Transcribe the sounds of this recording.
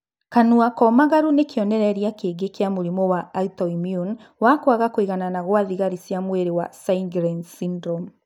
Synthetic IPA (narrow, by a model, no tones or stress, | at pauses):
kanuakɔmaɣaɾunekeɔnɛɾɛɾjakeːɡekeamoɾimɔwaːtɔimiun | wakwaɣakoiɣananaɣwaðiɣaɾisjamweɾewasaiŋɡɾɛnsindɾɔm